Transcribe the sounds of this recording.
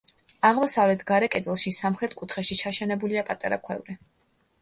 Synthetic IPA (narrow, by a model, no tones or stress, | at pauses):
aʁmɔsavlɛt̪ʰɡaɾɛkʼɛd̪ɛlˠʃisamχɾɛt̪ʰkʼut̪ʰχɛʃit͡ʃʰaʃɛnɛbuliapʼat̪ʼa̰ɾa̰kʰwɛ̰vɾɛ